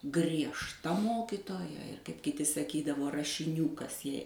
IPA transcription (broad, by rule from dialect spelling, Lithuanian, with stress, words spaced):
ɡrʲiɛʃˈtɐ ˈmoːkʲɪtoːjɛ ɪr kɐɪp kʲɪˈtʲɪ sɐˈkʲiːdɐʋoː rɐʃʲɪˈnʲuː ˈkɐs jɛɪ